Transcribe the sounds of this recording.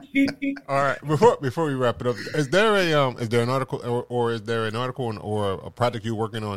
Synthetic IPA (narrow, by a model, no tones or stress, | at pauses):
iɑlˠɹaɪt̚bɨfɔɹbɨfɔɹwiɹæpnʌp̚ɪzðə˞ɨʌ̃mʔɪ̰zðə˞ɨ̃nɑɹɾɨkl̩ˠə˞ʔə˞ɪzðə˞ɨ̃nɑɹɾɨkʰl̩̃ˠnə˞ə̰pʰɹ̥ætɨkjɨwɜ˞kɪ̃ŋə̃n